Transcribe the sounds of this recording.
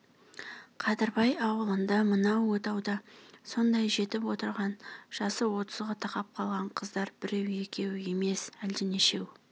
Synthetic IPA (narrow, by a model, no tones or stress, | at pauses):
qʰɑd̪ɪɾbɑjɑwəlˠənd̪ɑmənɑwot̪ɑwd̪ɑso̞nd̪ɑjʒe̞t̪ɪpwo̞t̪əɾʁɑnʒ̥ɑsəwo̞t̪əzʁɑt̪ʰɑqɑp̚qʰɑlˠʁɑɴqʰəzd̪ɑɾbɪɾe̞we̞kʲʰe̞we̞me̞sæld̪ɪneʃe̞w